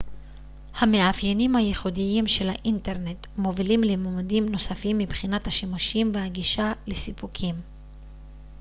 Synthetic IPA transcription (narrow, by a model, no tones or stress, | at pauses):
hame̞afjenimhaje̞χudijimʃe̞lhaʔinte̞ʁne̞t | mo̞vilimlemomadimno̞safimːibχinathaʃimuʃimvehaɡiʃalesipukʰim